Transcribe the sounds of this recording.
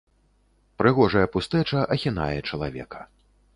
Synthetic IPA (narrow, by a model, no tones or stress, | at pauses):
pɾɨɣɔʐɐjɐpust̪ɛt͡ʂɐʔɐxʲina̰jɛt͡ʂɐlˠavʲɛ̰kɐ̥